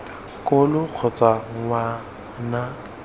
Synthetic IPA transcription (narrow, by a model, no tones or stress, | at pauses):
kʼʊlʊk͡xʰʊt͡sʼaŋ̩wa | na